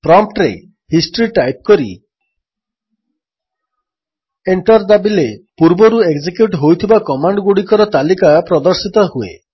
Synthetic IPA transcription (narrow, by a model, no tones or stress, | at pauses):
pɾɔmpʈɾḛ | hisʈɾiʈajp̚kɔɾḭ | eɳʈɔɾd̪abilepuɾbɔɾueɡd͡ʒikjuʈɦojt̪ʰibakɔmaɳɖɡuɽikɔɾɔt̪alikapɾɔd̪ɔɾsit̪ɔɦuḛ